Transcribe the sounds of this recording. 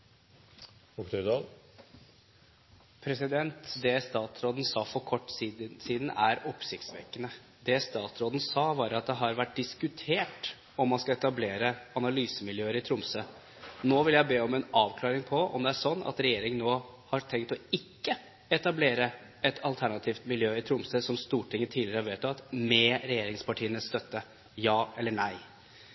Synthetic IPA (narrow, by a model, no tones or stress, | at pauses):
ɔkt̪œd̪ɑl | pʰɾɛsɪd̪ɛnt̪d̪ɛst̪ɑːt̪ɾoːd̪n̩sɑːfɔɾkʰɔʈːsiːd̪næɾɔpsɪkt̪sʋḛːkənə | d̪ɛst̪ɑːt̪sɾoːd̪n̩sɑːʋɑɾɑt̪̚d̪ɛɦɑɾʋæʈ̚d̪ɪskʉt̪ʰeːʈ | ɔmːɑnskɑɛt̪ɑbleːɾəɑnɑlyːsəmɪljøːəɾɪt̪ʰɾʊmsə | noːʋɪljæɪbeːɔmɛnɑːʋkʰlɑːɾɪŋpʰɔɔ̰md̪ɛæʂsɔnːɑ̰t̪ɾɛjeːɾɪŋənoː | hɑɾt̪ʰɛŋkt̪ɔɪkːə | ɛt̪ɑbleːɾə | ɛt̪ʰɑlt̪ʰæɳɑt̪ʰiːft̪mɪljøːɪt̪ʰɾʊmsəːsɔmst̪uːʈʰɪŋːət̪ʰiːlɪɾəhɑɾʋeːt̪ːɑt̪mɛɾɛjeːɾɪŋspɑʈʰiːənəst̪œt̪ːə | jɑːɛlːəɳæɪ